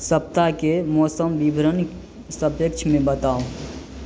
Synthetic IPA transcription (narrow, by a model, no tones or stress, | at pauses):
səp̚t̪akemɔːsəmbibʱɾən | səbjəkt͡ʃʰmẽbət̪aːõ